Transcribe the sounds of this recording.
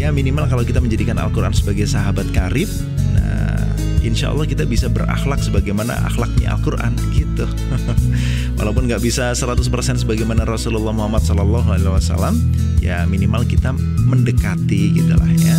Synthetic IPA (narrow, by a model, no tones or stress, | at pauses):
jaminimalkalawkit̪aməɲd͡ʒadikana̰lkuɾa̰nsəbaɡajsaɦabat̪̚kaɾɪp̚ | na̰ | inʃa̰ʔɑ̰lːɑhkit̪abisabəra̰xlak̚səbaɡajmana̰ʔa̰xlak̚ɲa̰ʔa̰lkurʔa̰nɡit̪u | wa̰lawpʊnŋɡaʔbisasəɾat̪ʊspərsɛnsəbaɡajmanaɾɔsululːɑhmuɦamat̪̚sɔlɔlːaɦualeaasa̰lam | ja̰minimalkit̪a | məndəkat̪iɡit̪ula̰hɲa